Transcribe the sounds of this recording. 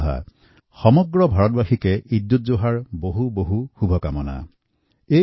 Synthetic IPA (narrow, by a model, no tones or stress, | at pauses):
ɦa̰ | xɔmɔɡɹɔbʱaɹɔtbaxikɛʔidːut̚zoɦaɹboɦuboɦuxubʱɔkamɔna̰ | e